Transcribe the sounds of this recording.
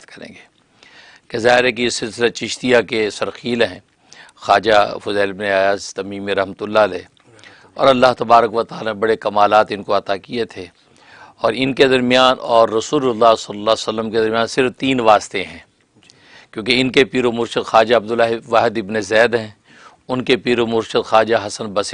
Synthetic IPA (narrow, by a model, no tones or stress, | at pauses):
t̪kɐɾḛ̃ːɡeː | kezaːɦɪɾɦɛk̬ijesɪlsɪlat͡ʃɪʃt̪ijakesɐɾxiːlɦɛ̃ː | xaːd͡ʒafʊzɛːlɪbneaːjaːzt̪ɐmiːmiɾɐɦmət̪ʊlːalɛː | ɔ̰ːɾɐlːaɦt̪ɐbaːɾəkʋɐt̪aːlanẽbɐɽekɐmaːlaːt̪ɪnkoɐt̪akiet̪ʰeː | ɔːɾɪnked̪ɐɾmijaːnɔːɾːɐsuːlʊlːasɐlːlːaːsɐlːəmked̪ɐɾmijaːnsɪɾft̪iːnʋaːst̪eɦɛ̃ː | kjõːkeɪnkepiːɾomʊɾʃəd̪xaːd͡ʒaɐb̚d̪ʊlaːɦiʋaːɦɪd̪ɪbnezɛːd̪ɦɛ̃ː | ʊnkepiːɾomʊɾʃəd̪xaːd͡ʒaɦɐsənbɐs